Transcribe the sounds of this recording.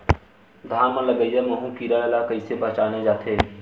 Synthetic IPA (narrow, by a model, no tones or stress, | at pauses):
d̪ʱaːmãlɐɡəjjamɐ̃ɦũkiːɾalakɐisebɐt͡ʃaːnad͡ʒaːt̪ʰeː